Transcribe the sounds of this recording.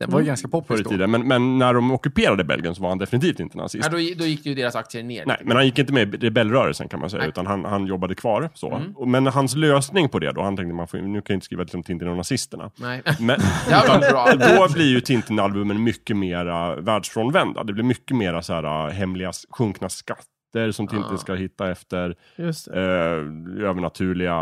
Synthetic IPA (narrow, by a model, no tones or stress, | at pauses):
d̪ɛvajɡanskapʰɔfɾət̪ʰiːd̪ənmɛnmɛnːæɖɔmɔkːɵpeːɾad̪əbɛ̰lɡə̰nsɔvaɾhand̪ɛfɪnɪt̪ʰiːft̪ɪnt̪əna̰sɪ̰sd̪ɔd̪ɔjɪkd̪ɛjɵd̪eːɾasakt̪sɪənḛːnɛ̰ɪmɛnhanjɪkːɪnt̪əmɛɾɛbɛlːɾœːɾə̰lsə̰nkʰanma̰jsɛ̰jːaʉ̟ːt̪anɦanhanjɔbːad̪əkʰvɑːɾso̰mɛnɦansløːsnɪŋpʰɔd̪ɛ̰d̪ɔ̰hant̪ʰɛŋkt̪əmanfo̰nʉ̟ːkʰanjʏɪnə̥skɾiːvat̪ɪlsɔmt̪ʰɪnt̪ɪnɔnasɪst̪əɳa̰mɛand̪ɔblɪɾjɵt̪ʰɪnt̪ɪnalbɵmːənmʏkːəmeːɾavæːɖʂfɾɔːnvɛnd̪a̰d̪ɛblɪɾmʏkːəmeːɾasæːɾa̰ɦɛmlɪɡasɧɵŋknaskat̪ːəɾsɔmt̪ʰɪnɪnskahɪt̪ːaɛft̪əɾ | øːvəɳat̪ʰʉ̟ːɭɪɡa